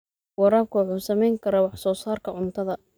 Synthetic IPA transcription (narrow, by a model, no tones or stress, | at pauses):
wɑɾaːb̚kʰʊwɑħuːsɐmɛjŋkʰɐɾɐwɑħsɔːsaːrkʰɐʕʊnt̪ʰɐðɐ